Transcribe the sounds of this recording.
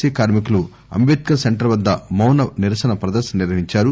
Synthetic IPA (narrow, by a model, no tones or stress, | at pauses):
iːkaːɾmik̬ulu | ɐ̰mbeːt̪̚kɐseɳʈɐɾʋɐd̪ːɐmɐwnɐniɾɐsɐnɐpɾɐd̪ɐɾʃɐniɾʋɐɦiɲt͡ʃaːɾu